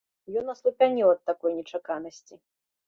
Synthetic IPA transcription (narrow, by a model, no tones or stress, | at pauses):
jɔnːɐslˠupʲanʲɛwɐt̪ːakɔjnʲɛt͡ʂakanɐsʲt͡sʲi